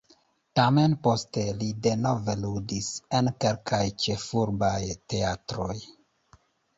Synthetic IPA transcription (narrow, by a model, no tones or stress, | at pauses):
tame̞npo̞ste̞lide̞no̞ve̞ludise̞nke̞lkʰajt͡ʃe̞fuɾbajte̞atɾo̞j